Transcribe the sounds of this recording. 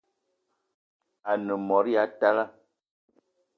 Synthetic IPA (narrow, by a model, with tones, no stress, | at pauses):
a˨nə˨mɔ˨˦ɾja˨˦ta˦la˦